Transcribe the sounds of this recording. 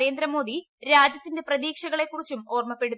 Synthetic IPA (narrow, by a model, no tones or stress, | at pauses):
ɾe̞ːnd̪ɾɐmo̞ːd̪i | ɾaːd͡ʑjɐt̪ːinde̞prɐðiːkʂɐɣɐɭe̞kːurit͡ɕːumo̞ːrmɐpːe̞ɽuð